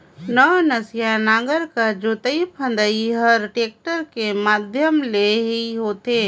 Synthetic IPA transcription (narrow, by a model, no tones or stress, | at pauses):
nɔnəsjanaːɡəɾkad͡ʒoːt̪əipʰə̃nd̪əiɦəɾʈeːk̚ʈəɾkemaːd̪ʱjəmleɦiɦoːt̪eː